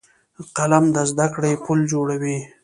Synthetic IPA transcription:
qalamd̪əzd̪akɽepuld͡ʒoɽawi

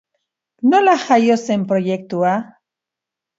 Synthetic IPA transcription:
nolaxajosempɾojek̚t̪ua

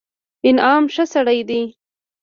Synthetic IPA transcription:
ɪnɑːmʃəsaɽajd̪i

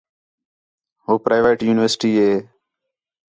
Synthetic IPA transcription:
ɦoːpɾaːʋeːʈjuːnɪʋəɾsɪʈiːɦeː

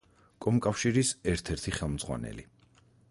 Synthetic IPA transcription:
kʼɔmkʼafʃiɾisɛɾt̪ʰɛɾt̪ʰiχɛlˠmd̪z̥ʁwa̰nɛ̰li

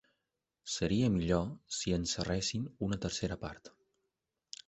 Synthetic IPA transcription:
səɾiəmiʎosiənsərɛsinunət̪əɾseɾəpa̰ɾt̪

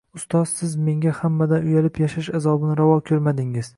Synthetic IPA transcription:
ʊst̪ɒz̥sɪzme̞ŋɡʲahamːad̪anʊjalɪpjaʃaʃazɒbɪnɾavɒkʲʰɵɾmad̪ɪŋɪz̥

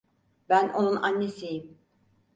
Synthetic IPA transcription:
bænʔo̞nunanːesijim

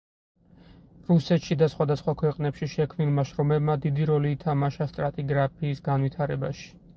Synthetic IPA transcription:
ɾusɛt̪ʃid̪asχwad̪asχwakʰwɛqʼnɛpʃiʃɛkʰvmnilˠmaʃɾɔmɛbmad̪id̪iɾɔliːt̪ʰamaʃast̪ʼɾat̪ʼiɡɾapʰiːsɡanvit̪ʰaɾɛbaʃi̥

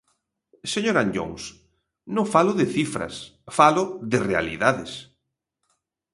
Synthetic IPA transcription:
seɲoɾanʎo̰ŋs | nõŋfalʊðɪθifɾɐ̰sfalʊðɪrea̰lḭðaðɪs

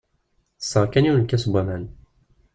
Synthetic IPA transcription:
sːəʁkæniwnkːæsbʷæmæn

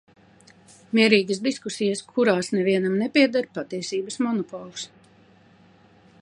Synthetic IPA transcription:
miɛɾiːɡəsd̪iskusijəskʰuɾaːsnɛviɛnamnɛpʲiɛd̪aɾpat̪iɛsiːbəsmɔnɔpɔːlˠus

